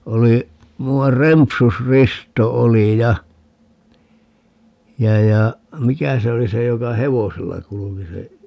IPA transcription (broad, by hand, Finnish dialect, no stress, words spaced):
oli muɑr rempusristo oli jɑ jɑ jɑ mikæ se oli se jokɑ heʋoselːɑ kuluki se